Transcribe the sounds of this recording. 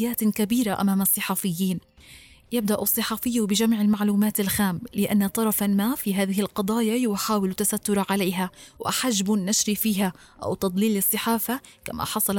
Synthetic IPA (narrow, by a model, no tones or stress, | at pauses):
jːaːt̪kabiːɾaʔa̰maːmɑsˤːɨħɑːfɪjːiːn | jɪb̚d̪aʔsˤːɨħɑːfɪjːabɪd͡ʒamʕɪlmaʕluːmaːt̪alxaːmlɪʔa̰nːat̪ˤɑɾˤɑfamaːfiːɦaːðɪhɪlqɑd̪ˤɑːjajʊħaːwɪlt̪ːasat̪ːʊɾˤɑʕaleːɦawʔɪ̰ħad͡ʒbnːaʃɾifiːɦa | ʔa̰wt̪ɑd̪ˤliːlːɨsˤːɨħaːfa | ka̰ma̰ħɑsˤɑl